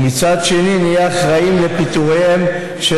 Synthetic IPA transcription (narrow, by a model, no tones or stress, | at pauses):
mit͡sad̪ʃe̞ninijaχʁaimlepit̪uʁeem | ʃe